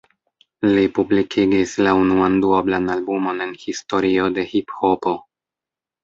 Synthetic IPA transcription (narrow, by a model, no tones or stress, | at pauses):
lipublikʰiɡislaunuanduoblanalbumo̞ne̞nhisto̞ɾio̞de̞hiphopo̞